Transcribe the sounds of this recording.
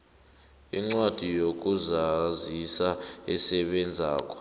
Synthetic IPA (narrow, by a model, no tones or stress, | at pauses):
iŋ͡ǀwad̥ʱijok̬ʼuzazisaɛsɛɓɛnd͡zʱaːk̬ʼɔ̥